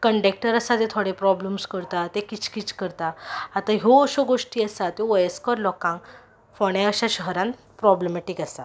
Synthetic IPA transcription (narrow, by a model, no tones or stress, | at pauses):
kəɳɖek̚ʈəɾəsat̪ẽt̪ʰoɽepɾɔbləmskəɾt̪at̪ekit͡ɕkit͡ɕkəɾt̪aːt̪aɦoːɕoɡoʂʈiːəsat̪oʋəjeskɔɾlɔkãŋk | fɔɽ̃eəɕaɕəɦəɾãn | pɾɔbləmeʈikasa